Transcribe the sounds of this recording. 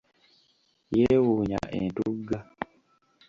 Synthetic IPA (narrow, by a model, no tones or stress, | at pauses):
jewuɲa̰ʔḛntuɡa